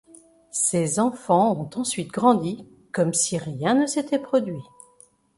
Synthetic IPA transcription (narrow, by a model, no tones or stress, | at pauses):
sezɑ̃fɑ̃ɔ̃t̪ɑ̃sɥit̪ɡʁɑ̃d̪i | kɔmsiʁjɛ̃nəset̪ʰɛpχɔd̪ɥi